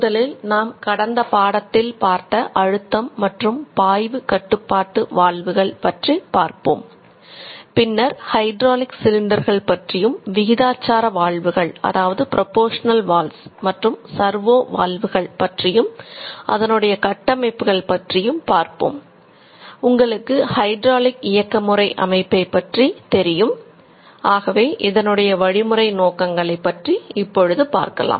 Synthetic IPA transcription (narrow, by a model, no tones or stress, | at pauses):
ðɐlɪlnaːmkɐɽɐnd̪ɐpaːɽɐt̪ːɪlpaːɾt̪ɐʔɐɻɯt̪ːɐmːɐʈrɯmpaːjʋɯkɐʈːɯpːaːʈːɯʋaːɭʋɯɣɐɭpɐʈripaːɾpo̰ːm | pɪnːɐɾhɐɪɖɾoːlɪksɪlɪnɖɐɾɣɐɭpɐʈrɪjɯmʋɪɣɪðaːt͡ʃːaːɾɐʋaːɭʋɯɣɐɭʔɐ̰ðaːʋɐðɯpɪɾʔɔpoːʂɐnɐlʋaːlsmɐʈrɯmsɐɾʋoːʋa̰ːɭʋɯɣɐɭpɐʈrɪjɯmʔɐ̰ðɐnɯɽɐjɐkɐʈːɐmɐɪpːɯɣɐɭpɐʈrɪjɯmpaːɾpo̰ːm | ʊŋɡɐɭɯkːɯhɐɪɖɾaːlɪkɪjɐkːɐmɯrɐɪʔɐ̰mɐɪpːɐɪpːɐʈrit̪ɛɾɪjɯm | aːɣɐʋeːʔɪðɐnɯɽɐjɐʋɐɻɪmɯrɐɪnoːkɐŋɡɐɭɐɪpːɐʈriɪpːɔɻɯðɯpa̰ːɾkɐ̰la̰ːm